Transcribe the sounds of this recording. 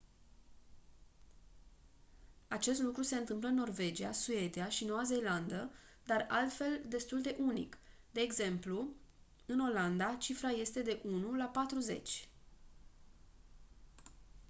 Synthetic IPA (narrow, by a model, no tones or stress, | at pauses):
at͡ʃe̞st̪lukɾuse̞ɨnt̪ɨmpləɨnːo̞rve̞d͡ʒiasue̞d̪iaʃino̞waze̞jland̪ə | d̪aralt̪fe̞ld̪e̞st̪uld̪e̞ʔunḭk | d̪e̞ːɡze̞mplu | ɨno̞land̪at͡ʃifɾaje̞st̪e̞d̪e̞ʔunulapat̪ɾuze̞̰t͡ʃʲ